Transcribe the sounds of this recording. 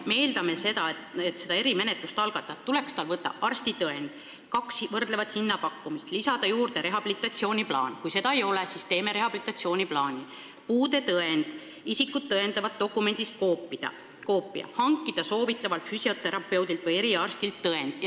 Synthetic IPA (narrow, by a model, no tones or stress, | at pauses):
me̞ːld̪ɑme̞se̞d̪ɑet̪se̞d̪ɑe̞ɾime̞net̪lust̪ɑlɡ̥ɑt̪ːˑɑt̪ːule̞kst̪ɑlvɤt̪ːˑɑ̰ʔɑrst̪it̪ɤe̞nd̪̥ | kɑkshvɤrd̪̥le̞vɑt̪hinːɑpɑkːumist̪lisɑd̪ɑjuːrd̪̥e̞ɾe̞ɦɑb̥ilit̪ːˑɑt̪sio̞ːnʲiplɑ̰ːnkujse̞d̪ɑejo̞lesist̪e̞ːme̞ɾe̞ɦɑb̥ilit̪ːˑɑt̪sio̞ːnʲiplɑːnʲi | puːd̪e̞t̪ɤe̞nd̪̥ | isikːˑud̪̥̚tːɤe̞nd̪ɑvɑt̪̚ːo̞kːˑume̞nʲd̪̥ist̪̚koːpid̪̥ɑ̰ | ko̞ːpːˑḭɑ̰hɑŋkːˑid̪̥ɑso̞ːvit̪ːˑɑvɑlt̪fysio̞t̪ːe̞ɾɑpˑe̞wd̪ilt̪vɤje̞ɾiɑrst̪ilt̪ːɤe̞nd̪̥ɑ